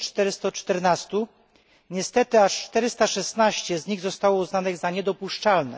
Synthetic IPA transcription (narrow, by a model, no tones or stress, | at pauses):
t͡ʂt̪ɛɾɘst̪ɔt͡ʂt̪ɛɾnast̪u | ɲɛst̪ɛt̪ɘaʂt͡ʂt̪ɛɾɘst̪aʂɛst̪naɕt͡ɕɛzɲiɣzɔst̪awɔuznanɘɣzaɲɛd̪ɔpuʂt͡ʂalnɛ̰